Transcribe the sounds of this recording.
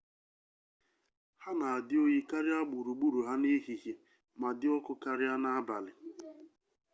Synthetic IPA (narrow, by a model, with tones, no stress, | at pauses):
ha˦na˨a˨dɪ˦o˦ɲi˦ka˦ɾɪ˦a˦ɡ͡bu˨ɾu˨ɡ͡bu˦ɾu˨ɦa˦ni˦ɦi˨ɦje˨ | ma˨dɪ˦ɔ˦kʊ˦ka˦ɾɪ˦a˦na˦a˦ba˨lɪ˨